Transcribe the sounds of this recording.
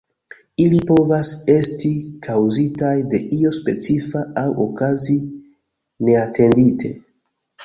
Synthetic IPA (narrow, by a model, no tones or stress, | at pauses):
ilipo̞vase̞stikʰawzitajde̞ʔio̞spe̞t͡sifaawʔokazi | ne̞atʰe̞nditʰe̞̰